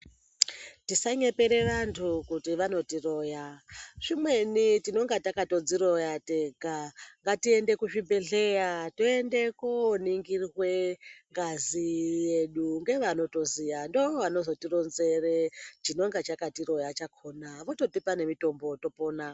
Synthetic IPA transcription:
tisaɲe̞pe̞ɾe̞ʋantʰukutiʋano̞tiro̞jaʂimwe̞nitino̞ŋɡatakato̞d͡ziɾo̞jateɡʱaŋɡatiende̞kuʐibe̞ɮe̞jato̞endekoniŋɡirrweŋɡazije̞ɗuŋɡe̞ʋano̞to̞zijandooʋano̞zo̞tiro̞nze̞ret͡ʃino̞ŋɡat͡ʃakatiɾo̞jat͡ʃakʰoːnaʋo̞to̞tipane̞mito̞mboto̞poːna

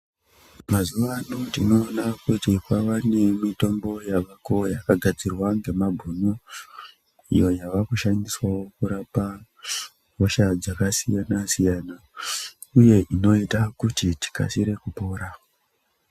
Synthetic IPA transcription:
mazuʋanotino̞ːnakutikwaʋane̞mito̞mbo̞jaʋako̞jakaɡʱad͡zirwaŋɡe̞mabʱuno | ḭjo̞jaʋakuʃandiswawo̞kuɾapa | moʃad͡zakasijanasijana | uje̞ʔino̞itakutiti̥ka̰siɾe̞kupo̞ːɾa

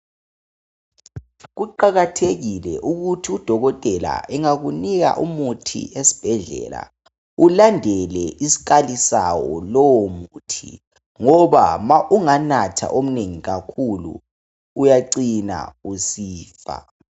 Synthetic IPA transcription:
ɣuǃaɣatʰeɣilɛʔuɣutʰiud̥ʱɔɣɔtʼɛla̰ɛŋaɣuniɣa̰ʔumutʰḭesi̥b̥ʱɛɮɛ̰la̰ | ulandʱɛlɛʔisi̥k̬ʼalisawɔ̰lɔwmutʰḭ | ŋɔβa̰maʔuŋanatʰa̰ʔom̩neŋiɣakʰulṵː | jaǀina̰usiːfa̰

